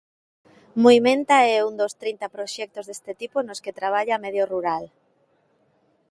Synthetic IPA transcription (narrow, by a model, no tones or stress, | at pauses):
moimẽnt̪aɛund̪ost̪ɾint̪apɾoʃɛk̚t̪ozðest̪et̪iponosket̪ɾaβ̞aʎameðjoruɾal